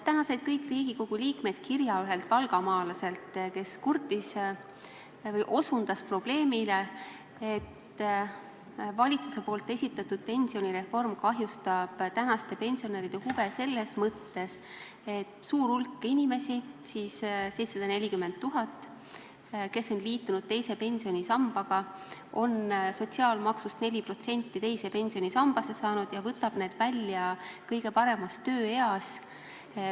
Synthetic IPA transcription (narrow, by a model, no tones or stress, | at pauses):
t̪ænɑse̞jd̪̥̚kɤjkːˑriːɡ̥iko̞ɡ̥uliːkme̞d̪̥kiɾjɑyɦe̞lt̪̚pɑlɡ̥ɑmɑːlɑse̞lt̪ke̞skurt̪is | vɤjʔo̞sund̪̥ɑspro̞b̥le̞ːmile̞ | et̪ | vɑlʲit̪su̥se̞po̞ːlt̪ːˑe̞sʲit̪ːˑɑt̪ːud̪̥̚pe̞nʲsio̞niɾe̞fːo̞rmkɑɦjust̪ɑb̥t̪ænɑst̪e̞pe̞nʲsio̞neɾid̪̥e̞huvese̞lːesmɤt̪ːe̞s | et̪ːsuːɾulkːˑinʲime̞sisisse̞jt̪sɑd̪̥ɑne̞lʲikymend̪̚t̪ːuɦɑt̪ːˑ | ke̞sːo̞nliːt̪ːunud̪̥̚t̪e̞jse̞pe̞nʲsio̞nʲisɑmb̥ɑɡ̥ɑo̞nso̞t̪ʲsiɑːlmɑksust̪ne̞lʲipro̞t̪se̞nʲt̪ːˑit̪e̞jse̞pe̞nʲsio̞nʲisɑmb̥ɑse̞sɑːnud̪̥jɑvɤt̪ːɑb̥ne̞ːd̪̥vælʲːjɑkɤjɡ̥e̞pɑɾe̞mɑst̪ːø̞ːe̞ɑs